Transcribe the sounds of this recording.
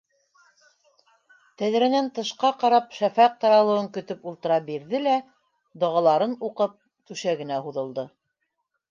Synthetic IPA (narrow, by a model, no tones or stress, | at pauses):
t̪æðɾænænt̪ɤ̆ʃqɑqɑɾɑpʃæfæq̚t̪ɑɾɑlˠɤ̆wɤŋkɵ̆t̪ɵpulˠt̪ɤ̆ɾɑbiɾðɘlæ | d̪ŏʁɑlˠɑɾɤnuqɤp̚ | t̪ʉʃæɡɘ̆næhuðɤ̆lˠd̪ɤ